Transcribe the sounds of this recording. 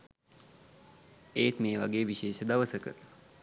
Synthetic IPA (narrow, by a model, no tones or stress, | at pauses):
eːt̪meːʋaɡeːʋiʃeːʃəd̪ɐʋəsəkə̰